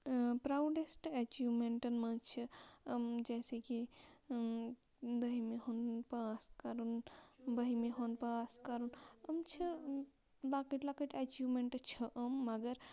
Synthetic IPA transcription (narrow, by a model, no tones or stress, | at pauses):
pɾawɖesʈet͡ʃiʋmeɳʈɐnmɐ̃t͡ʃʰiəmd͡ʒɛːseki | d̪ɐɦimeɦonpɐaskɐɾunbɐɦimeɦonpəaskɐɾunɐmt͡ʃʰi | laːkiʈlakiʈet͡ʃiʋmẽɳʈt͡ʃʰəʔəmːɐɡəɾ